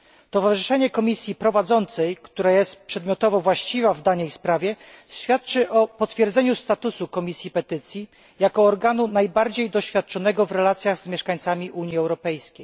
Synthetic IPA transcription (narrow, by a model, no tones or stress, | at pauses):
t̪ɔvaʐɨʂɛɲɛkɔmʲisʲjipɾɔvad̪zɔnt̪sɛjkt̪uɾajɛst̪pʂɛd̪mjɔt̪ɔvɔvwaɕt͡ɕivavd̪aɲɛjspɾavʲjɛɕfʲjat̪̚t͡ʂɘʔɔpɔt̪fʲjɛɾd̪zɛɲust̪at̪usukɔmʲisʲjipɛt̪ɘt̪sʲji | jakɔːɾɡanunajbaɾd͡ʑejd̪ɔɕfʲjat̪̚t͡ʂɔnɛɡɔvɾɛlat̪sʲjaɣzmʲjɛʂkaɲt̪samʲiʔuɲjiɛwɾɔpɛjskʲej